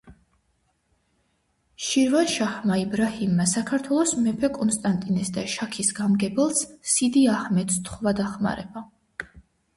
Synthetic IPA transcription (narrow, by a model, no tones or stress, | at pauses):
ʃiɾvanʃahmaibɾahimːasakʰaɾt̪ʰwɛlˠɔsmɛpʰɛkʼɔnst̪ʼant̪ʼinɛsd̪aʃakʰisɡamɡɛbɛlˠssid̪iahmɛt̪st̪ʰχvad̪aχma̰ɾɛ̰ba